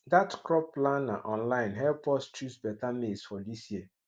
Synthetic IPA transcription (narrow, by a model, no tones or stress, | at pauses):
datkɾɔpːlanaʔɔ̃nlãɪ̃nɦɛlpɔst͡ʃusbɛtamesfɔd̪isjiə